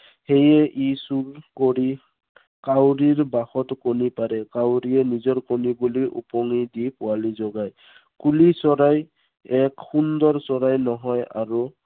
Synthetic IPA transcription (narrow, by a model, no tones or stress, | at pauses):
hejɛʔisulkoɹi | kawɹiɹbaxɔtkonipaɹɛkawɹiɛnizɔɹkonibuliʔṵpɔŋidipʊalizɔɡaj | kulisɔɹaj | ɛkxundɔɹsɔɹajnɔɦɔja̰ɹu